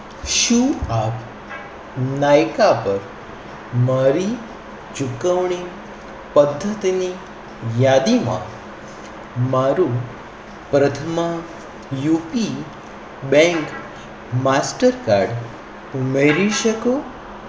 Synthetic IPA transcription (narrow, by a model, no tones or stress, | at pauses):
ʃũap | najkapəɾ | maɾi | d͡ʒukəʋɳi | pəd̪ʱːət̪ini | jad̪imã̰ | maɾũ | pɾət̪ʰəma | jupi | bɛ̃ŋk | masʈəɾka̰ɾɖ | umeɾiʃəko